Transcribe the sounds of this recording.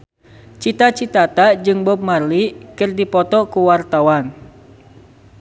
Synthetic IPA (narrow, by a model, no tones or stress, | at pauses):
t͡ʃit̪at͡ʃit̪at̪ad͡ʒɨŋbɔp̚marlikɨrdipɔt̪ɔkuwart̪awan